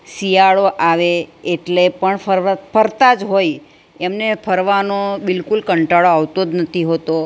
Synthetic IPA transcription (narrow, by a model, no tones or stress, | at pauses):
sijaɭoʔaʋeeʈlepəɳəɾfʰəɾt̪ad͡ʒɦoj | emnepʰəɾʋanobɪlkulkəɳʈaɭoaʋt̪od̪nət̪ʰiɦot̪o